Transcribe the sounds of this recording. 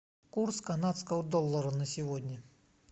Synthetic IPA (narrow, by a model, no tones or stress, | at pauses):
kurskɐnat̪skəəd̪ɔlˠːəɾənəsʲɪvodʲnʲə